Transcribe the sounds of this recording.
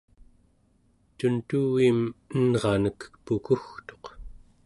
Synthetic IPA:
t̪unt̪uwimənʁɑnəkpukuxt̪o̞q

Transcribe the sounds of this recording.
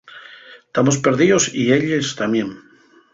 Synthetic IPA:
t̪amospeɾðiosieʎest̪amjẽŋ

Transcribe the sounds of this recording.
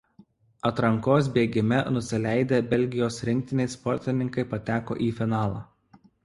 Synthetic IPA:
ɐt̪ɾɐŋkoːs̬bʲeːɡʲɪmʲɛnʊsʲɪlʲæˑɪd̪ʲeːbʲɛlʲɡʲɪjoːsɾʲɪŋʲk̚t̪ʲɪnʲɛɪspɔɾʲt̪ʲɪnʲɪŋkɐɪpɐt̪ʲæːko̰ːʔiːfʲɪnɑːlˠɑ̰ː

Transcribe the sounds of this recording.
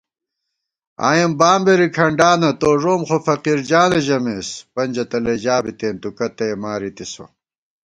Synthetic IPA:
a̰ːjɐmbaːmbeɾikʰɐɳɖaːnɐt̪oːʐoːmχofɐqiɾd͡ʑaːneʑɐmeːspɐɲd͡ʑɐt̪ɐled͡ʑaːbit̪eːnt̪ukɐt̪emaːɾit̪iso̰

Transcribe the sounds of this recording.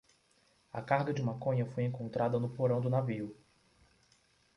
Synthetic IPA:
ɐ̰kahɡɐd͡ʒɪumakõɲɐfojẽŋkõnt̪ɾʔad̪ɐnʊpoɾɐ̃w̃d̪ʊnaviʊ

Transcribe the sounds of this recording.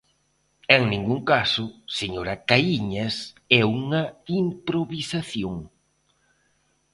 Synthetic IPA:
eŋnĩŋɡuŋkasʊseɲoɾɐkaiɲɐs | ɛuŋɐimpɾoβisaθjoŋ

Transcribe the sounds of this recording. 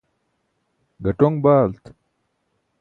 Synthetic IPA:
ɡʱɐʈoŋɡbaːlt̪

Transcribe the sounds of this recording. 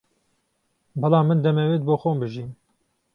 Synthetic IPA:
bɑlɑːmːɨnd̪ɛmɛwet̪̚boːxoːmbɨʒiːn

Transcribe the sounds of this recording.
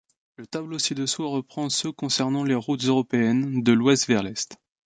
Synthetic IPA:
lət̪ablosid̪əswaʁəpχɑ̃søkɔ̃sɛʁnɑ̃leʁut̪zøʁɔpeɛnd̪əlwɛst̪vɛʁlɛst̪

